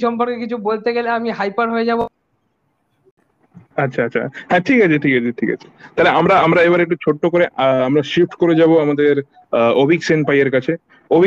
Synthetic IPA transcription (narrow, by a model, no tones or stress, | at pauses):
ʃɔmpoɾkekit͡ɕʰubolt̪eɡeleamiɦajpaɾɦoed͡ʑabo | atːɕʰaatːɕʰa̰hɛ̃ʈʰikat͡ɕʰeʈʰikat͡ɕʰeʈʰika̰t͡ɕʰe̥t̪aleamɾaamɾaeβaɾek̚ʈut͡ɕʰoʈːokoɾeʔamɾaʃifʈkoɾed͡ʑaboamad̪eɾ | obiksenpajeɾkat͡ɕʰe | obi